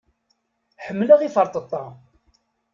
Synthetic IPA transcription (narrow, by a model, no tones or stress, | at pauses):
ħəmːləʁifəɾˤt̪ˤət̪ˤːɑ